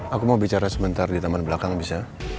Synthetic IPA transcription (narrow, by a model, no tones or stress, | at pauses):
akumaubit͡ʃaɾasəbənt̪ardit̪amanbəlakaŋbisa